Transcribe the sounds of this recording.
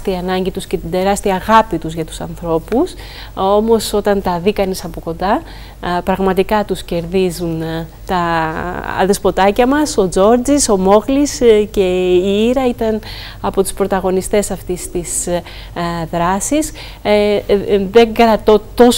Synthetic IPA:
t̪iɐːnɐɲɟit̪usce̞t̪id̪e̞ɾɐst̪iɐːɣɐpit̪uzʝɐt̪u̥sɐnθɾo̞pus | o̞mo̞so̞t̪ɐnt̪ɐðikɐnisɐpoko̞nd̪ɐ | pɾɐɣmɐt̪ikɐt̪usce̞ɾðizun | t̪ɐ | ðespo̞t̪ɐcɐmɐso̞d͡zo̞ɾd͡ziso̞mo̞ɣlisce̞iiɾɐit̪ɐn | ɐpo̞t̪u̥spɾo̞t̪ɐɣo̞nist̪e̞sɐft̪ist̪is | ðɾɐsis | ðe̞ŋɡɾɐt̪o̞t̪o̞

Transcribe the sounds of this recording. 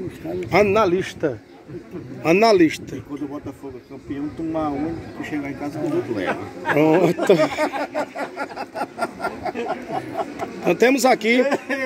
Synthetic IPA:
ʃaɐnaliʃt̪ɐ | ɐnaliʃt̪ɐkwɐ̃nd̪ubɔt̪ɐfoɡuɐkɐ̃mpiɐ̃w̃t̪ũmaõnt̪uʃeɣaẽkazɐkõd̪uk̪lɛ̰vɐot̪ɐ | t̪ɐ̃t̪ẽmʊzaki

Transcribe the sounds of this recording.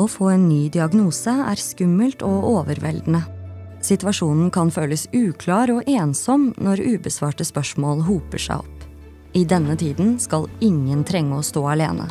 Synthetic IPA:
ɔfoːeːnːyːd̪ɪɑɡnuːsəæ̰ːɾskʉmːəlt̪ʰɔʔoːʋəɾʋɛ̰ld̪n̩ə | sɪt̪ʋɑʂuːnn̩kʰɑnføːləsʉːkʰlɑːɾɔʔeːnsɔmnɔɾʉːbəsʋɑːʈəspœʂmoːlɦuːpə̰ʂæ̰ɪɔ̰pː | ɪd̪ɛnːət̪ʰiːd̪nskɑlɪŋːənt̪ʰɾɛŋːəɔːst̪oːɑlḛːnʔə̰

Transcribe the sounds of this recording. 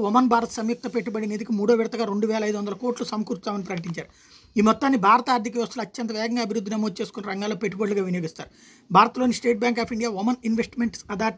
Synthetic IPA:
ʋomɐnbʱaːɾɐt̪ɐ̥sɐmjuk̚t̪ɐpe̞ʈːubɐɽined̪ikimuːɽoːʋiɾɐt̪ɐɡaːɾeɳɖuʋɛːlɐjd̪uʋɐnd̪ɐlɐkoːʈlusɐmɐkuːɾt̪aːmɐnipɾɐkɐʈiɲt͡ʃaːɾu | iːmɔt̪ːaːnːibʱaːɾɐt̪aːɾd̪ʱikɐʋiʋɐst̪ɐloɐt͡ʃːɐnt̪̬ɐʋɛːɡɐŋɡaːɐbʱiɾud̪ʱːinɐmoːd̪ut͡ʃeːsu̥koniɾɐŋɡaːloːpeʈːubɐɽluɡaːʋinjoːɡist̪a̰ːɾu | bʱaːɾɐt̪ɐloːnisʈe̞ːʈ̚bjaːŋkaːpʰiɳɖijaːʋɐmɐninʋesʈmeɳʈsɐd̪aːʈ

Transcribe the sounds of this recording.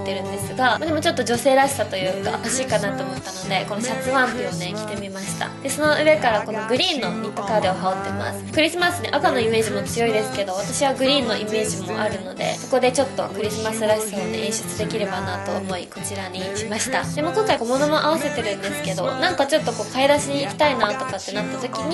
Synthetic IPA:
t̪ːe̞ɾɯ̟̃nd̪e̞sɨɡamad̪e̞mo̞t͡ɕo̞t̪ːod͡ʑo̞se̞ːɾaɕi̥sat̪o̞jɯ̟ːka̰haɕiːkanat̪o̞ːmo̞t̪ːano̞d̪e̞ko̞no̞ɕat͡sɨβãnt̪oone̞kʲi̥t̪e̞mʲimaɕi̥t̪a̰d̪eso̞no̞ʔɯ̟βe̞kaɾako̞no̞ɡɯ̟ɾʲĩːnːo̞it̪ːokad̪e̞oɦao̞t̪ːe̞ma̰sɨ̥kɯ̟ɾʲisɨmasɨnḛʔakano̞ime̞ːʑimo̞t͡sɨjo̞id̪e̞sɨ̥ke̞d̪o̞β̞at̪aɕiβaɡɯ̟ɾʲĩːnːo̞ʔime̞ːʑimo̞̰ʔaɾɯ̟no̞d̪e̞̰so̞ko̞d̪e̞t͡ɕo̞t̪ːo̞̰kɯ̟ɾʲisɨmasɨɾaɕi̥sanḛʔẽːɕo̥t͡sɨd̪e̞kʲiɾe̞banat̪o̞̰ːmo̞iko̞t͡ɕiɾaɲiɕimaɕi̥t̪a̰d̪e̞moːkõ̞ŋkaikomo̞no̞mo̞ʔaβ̞ase̞t̪e̞ɾɯ̟̃nd̪e̞sɨ̥ke̞d̪o̞nãŋkat͡ɕo̞t̪ːo̞ko̞ːkaed̪aɕiɲ̟iːkʲi̥t̪ainat̪o̞kat̪ːe̞nat̪ːat̪okʲiɲ̟i

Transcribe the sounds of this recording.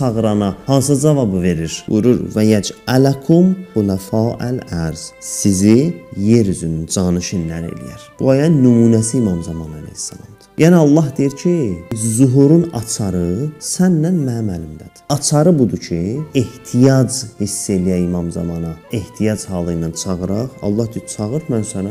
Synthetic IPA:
sʰɑɣɾɑnɑhɑns̬ɯd͡ʒɑvɑbɯve̞ɾiɾṵjɾuɾvæjæd͡ʒʰælækʰumbulæfɑːʔælæɾz̥ssizije̞ɾyzynynd͡ʒɑnɯʃɯnːæɾḛlḭjæɾ̥b̥uɑjɑnymuːnæsiːmɑmzɑmɑnɑnḭnsɑ̰nɯ̰md̪̥ɯ̥jʔæniɑlˠːɑɦd̪ejiɾcʰizuɦuɾunɑ̰t͡ʃʰɑɾɯsænːænmæmælimd̪æd̪̥i̥ɑt͡ʃʰɑɾɯbud̪ucʰieht̪ʰijɑd͡ʒhisːe̞lijæimɑmzɑ̰mɑnɑe̞ht̪ʰijɑd͡ʒhɑːlˠɯnːɑnt͡ʃʰɑɣɯɾɑʁɑ̰lˠːɑhd̪iit͡ʃʰɑɣɯɾmænsænæ

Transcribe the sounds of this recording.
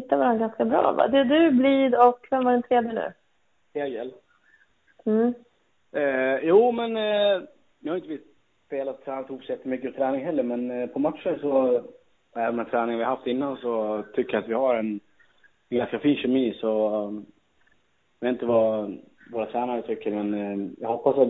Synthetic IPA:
hɪt̪ːavaɾanɡanskabɾɑ̰ːva̰d̪ɛd̪ɵbliːd̪ɔkːvɛmvaɖɛnt̪ʰɾeːd̪jənʉ̰ː | ɾeːɡəl | m̩ː | juːmɛn | vɪhajʏnt̪əviːs | speːlat̪ʰːɾɛːnat̪ɪhuːpsɔjɛt̪ːəmʏkːət̪ʰɾɛːnɪŋɦɛlːəɾmɛnpʰɔmat̪ʂənsɔ | æːvənd̪ɛnt̪ɾɛːnɪŋnvɪhahaft̪ɪnːansɔt̪ʰʏkːəjaat̪vɪhaɾɛn | ɛnɡanskafiːnɕɛmiːsɔ | jveːt̪ɪt̪əva | voːɾat̪ʰɾæːnaɾət̪ʰʏkːəɾmɛnjahɔpːasat̪

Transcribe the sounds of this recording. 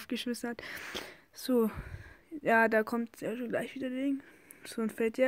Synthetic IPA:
fɡ̥əʃmɪsn̩hat | z̥oː | jaːdaːkʰɔmtsjaʃoːnɡlaɪçv̥iːdɐdeŋ | z̥oːnfɛltja

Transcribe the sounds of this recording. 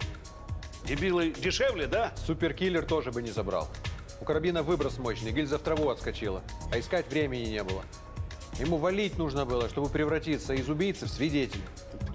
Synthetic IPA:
dʲɪbʲilˠɨjdʲɪʂɛvlʲɪd̪asupʲɪrkʲilʲːɪrt̪o̞ʐɨbɨnʲɪzɐbɾa̰lˠ | ʊkəɾɐbʲinəvɨbɾəsmo̞ɕnɨjɡʲilʲzəft̪ɾɐvuɐt̪skɐt͡ɕilˠə̰ɐɪskatʲvɾʲemʲɪnʲɪnʲe̞bɨlˠə | jɪmuvɐlʲit̚ʲnuʐnəbɨlˠəʂt̪o̞bɨpɾʲɪvɾɐtʲit̪səɪzʊbʲijt̪səfsʲvʲɪdʲetʲɪlʲ

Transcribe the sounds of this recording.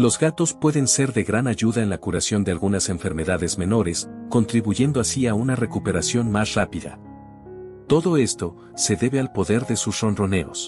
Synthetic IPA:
lo̞zɡat̪o̞spwe̞ðe̞nse̞ɾðe̞ɣɾanaʝuðae̞nlakuɾasjo̞nd̪e̞alɣunase̞ɱfe̞ɾme̞ðaðe̞zme̞no̞ɾe̞sko̞nt̪ɾiβuʝe̞nd̪o̞asiaunare̞kupe̞ɾasjo̞nmasrapiða̰ | t̪o̞ðo̞e̞st̪o̞ | se̞ðe̞βe̞alpo̞ðe̞ɾðe̞susro̞nro̞ne̞o̞̰s

